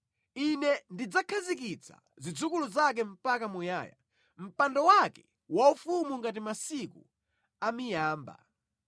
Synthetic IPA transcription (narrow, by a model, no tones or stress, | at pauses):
inɛndid͡zakʰazikit͡sʰa̰ | zid͡zukuluzakɛm̩pakamuja̰ːja̰ | m̩pandɔwakɛ | waufumuŋɡat̬imasikṵ | amijaːmba̰